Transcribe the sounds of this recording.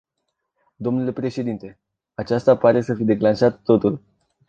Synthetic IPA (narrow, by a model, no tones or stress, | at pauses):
d̪o̞mnule̞pɾe̞ʃe̞d̪int̪e̞ | at͡ʃast̪apaɾe̞səfid̪e̞klanʃat̪ːo̞t̪ul